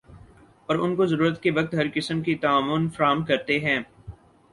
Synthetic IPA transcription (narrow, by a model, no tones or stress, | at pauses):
pɐɾʊnkozɐɾuːɾət̪keʋɐk̚t̪ɦɐɾkɪsəmkit̪ɐaːmʊnfɐɾaːɦmkɐɾt̪eɦɛ̃ː